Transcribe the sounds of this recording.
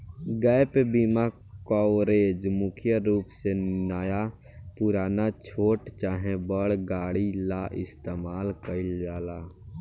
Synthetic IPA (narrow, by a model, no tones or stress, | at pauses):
ɡɛjpebima | kɔːɾeːd͡ʒmʊkʰjəɾuːpsenaːja | pʊɾaːnat͡ʃʰoːʈt͡ʃaːɦẽbəɽɡaːɽilaʔɪst̪eːmaːlkəɪld͡ʒaːlaː